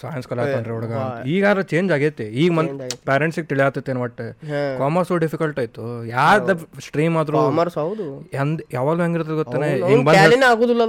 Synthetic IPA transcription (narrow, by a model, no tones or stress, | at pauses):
saːjɐnskɐlaːkoɳɖɾeɔɭɐɡɐiːɡaːd̪ɾɐt͡ʃe̞ːɲd͡ʒaːɡet̪ːeiːɡɐmɐnpʲaːɾeɳʈsiɡet̪iɭijaːt̪ːit̪ːenːuʋɐʈːekaːmɐɾsuɖipʰikɐlʈaːjit̪ujaːd̪ɐsʈɾiːmaːd̪ɾumɐɾsɐwd̪uend̪jaːʋaːɡ̪luɦeŋɡiɾt̪ɐd̪ɡot̪ːaːneiɡbɐnd̪einaːɡoːd̪ilːɐ